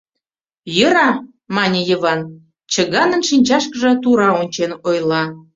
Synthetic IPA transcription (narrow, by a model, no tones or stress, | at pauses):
jəɾɑ | mɑnʲə̆jəβɑn | t͡ɕə̆ɣɑnənʃinʲt͡ɕɑʃkəʒɤ̆t̪uɾɑonʲt͡ɕenojlˠɑ